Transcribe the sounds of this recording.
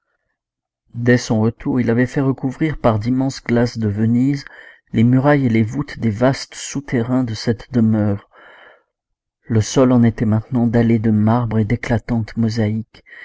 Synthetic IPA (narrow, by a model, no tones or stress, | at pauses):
d̪ɛsɔ̃ʁət̪uʁilavɛfɛʁəkuvʁiʁpaʁd̪imɑ̃sɡlasd̪əvəniz | lemyʁajelevut̪d̪evast̪sut̪eʁɛ̃d̪əsɛt̪d̪əmœːʁ | ləsɔlɑ̃net̪ɛmɛ̃t̪nɑ̃d̪aled̪əmaʁbʁed̪eklat̪ɑ̃t̪mɔzaik